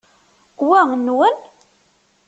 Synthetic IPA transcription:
wæʁnːwən

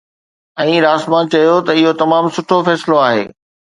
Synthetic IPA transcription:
ɛ̃ːɾaːsmãt͡ɕɐjot̪ɐɪɦot̪ɐmaːmsʊʈʰofɛːsɪloaːɦḛː

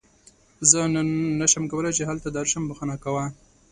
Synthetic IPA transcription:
zənnaʃamkawəlat͡ʃeɦalt̪ad̪aɾɪʃambəxanakawa

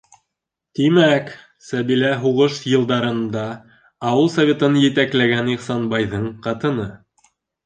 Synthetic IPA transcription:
t̪imæk | sæβilæɦuʁɤʃjɤ̆lˠd̪ɑɾɤ̆nd̪ɑ | ɑwɤlˠsɐvʲe̞t̪ɤnjɘ̆t̪æklæɡæniqsɑnbɑjðɤɴqɑt̪ɤ̆nɤ

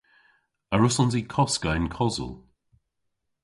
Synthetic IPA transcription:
əɹʊsɔnzikʰɔskaɪnkʰɔzə̰lˠ

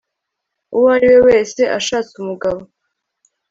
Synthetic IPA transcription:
uwaɾiwe̞we̞ːse̞ʔaʃaːt͡sumuɡaβo̞

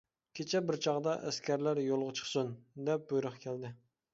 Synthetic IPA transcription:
kʲʰet͡ʃʰɛbɪɾt͡ʃʰɑʁd̪ɑʔæskʲæɾlæɾjolˠʁət͡ʃʰə̥χsund̪ɛp̚bujɾʊχkʲʰæld̪ɪ

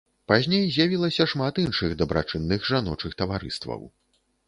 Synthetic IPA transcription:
pazʲnʲejzʲjavʲilˠɐsʲɐʂmat̪inʂɨɣd̪ɐbɾa̰t͡ʂɨnːɨɣʐanɔt͡ʂɨxt̪ɐvaɾɨ̰st̪vɐ̰w

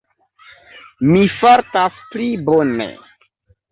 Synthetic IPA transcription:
mifaɾtasplibonḛ

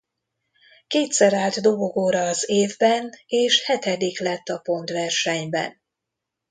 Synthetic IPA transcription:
keːt̪sɛɾaːlt̪d̪o̞ɡo̞ɡoːɾɒːzeːvbɛneːʃhɛt̪ɛd̪iklɛt̪ːɒpo̞nt̪vɛrʃɛɲbɛ̰n

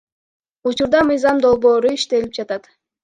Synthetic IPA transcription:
ut͡ʃuɾd̪ɑmɯjzɑmd̪o̞lˠbo̞ːɾuiʃt̪e̞lip̚d͡ʒɑt̪ɑt̪

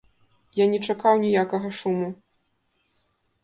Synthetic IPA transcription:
janʲɛt͡ʂakawnʲijakɐɣɐʂumu

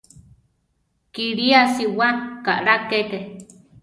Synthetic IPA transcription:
kiɾiasiwakaʔɾakeke

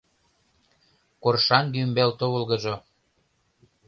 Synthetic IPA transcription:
korʃɑnɡ̪ymbelt̪oβə̆lɣɤ̆ʒo

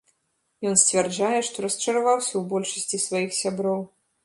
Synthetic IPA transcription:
jɔnsʲt͡sʲvʲɛrd͡ʐajɛʂt̪ɔɾɐst͡ʂɐɾavawsʲɐwbɔlʲʂɐsʲt͡sʲisvajixsʲabɾɔw

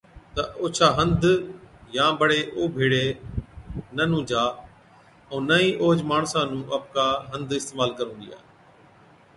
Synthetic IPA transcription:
t̪ɐʔoːt͡ʃʰaːɦə̃nd̪jãːbəɽeːʔoːbʱiːɽeː | nənũːd͡ʒaː | ɛ̃ːnəĩːʔoːd͡ʒmaːɳsãːnũːʔɐp̚kaːɦə̃nd̪ɪst̪eːmaːlkəɾũːd̪ija̰ː

